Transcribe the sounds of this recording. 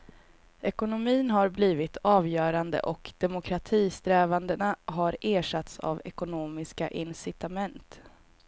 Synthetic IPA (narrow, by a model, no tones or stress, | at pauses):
ɛkʊnʊmiːnɦaɾbliːvɪt̪ʰɑːvjœːɾand̪ə̰ʔɔkd̪̥ɛmʊkʰɾat̪ʰiːst̪ɾɛːvand̪ənaɦaɾeːʂat̪sa̰vɛkʊnoːmɪska̰ʔɪnsɪt̪amɛnt̪